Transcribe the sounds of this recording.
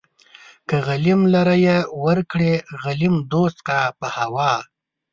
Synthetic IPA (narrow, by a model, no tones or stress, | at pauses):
kəɣalimlaɾajewəɾkɽeɣalimd̪ost̪qapəhawɑ